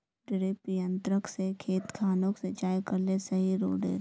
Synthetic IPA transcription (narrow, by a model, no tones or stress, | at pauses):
ɖɪɾepijə̃nt̪ɾəksekʰeːt̪kʰaːnõksed͡ʒaːjkɐɾlesɐɦiɾo̰ːɖḛːɾ